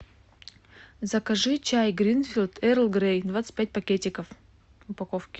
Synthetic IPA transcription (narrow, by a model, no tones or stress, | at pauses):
zɐkɐʐɨt͡ɕajɡɾʲinfʲilʲˠt̪ʰɛɾlˠɡɾejd̪vat̪sɨ̥t̚ʲpʲæt̚ʲpɐkʲetʲɪkəf | ʊpɐkofkʲɪ̥